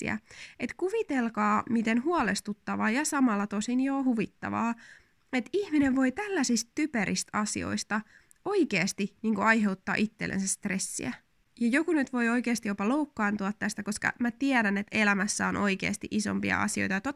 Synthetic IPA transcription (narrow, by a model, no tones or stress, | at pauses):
ḭæ̰et̪kuʋit̪elkɑːmit̪enhuɑlest̪ut̪ːɑʋɑːjɑsɑmɑlːɑt̪osinjoːhuʋit̪ːɑ̰ʋɑ̰ː | et̪ihmineʋʋo̞it̪ælːæsist̪typeɾʔist̪ɑsḭo̞̰ist̪ɑ | oikeːst̪iniːŋkuɑjɦe̞wt̪ːɑ̰ːʔit̪ːelːḛnsæst̪re̞sːḭæ | jɑjokunyt̪ʋo̞jo̞ikeːst̪ijopɑloukːɑːnt̪uɑt̪ːæst̪ækoskɑ̰mæt̪iedænet̪elæmæsːæonʔo̞ikeːst̪iʔiso̞̰mpiɑ̰ɑ̰sio̞̰jt̪ɑjot̪ot̪